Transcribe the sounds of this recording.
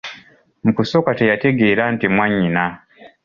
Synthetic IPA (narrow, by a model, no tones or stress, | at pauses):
m̩kusokatejateɡeːɾantimwaɲina